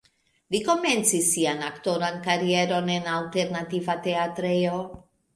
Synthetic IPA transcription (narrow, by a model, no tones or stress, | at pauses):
liko̞ment͡sisːianakt̪oɾankaɾijeɾonenalt̪eɾnat̪ivat̪eat̪ɾeo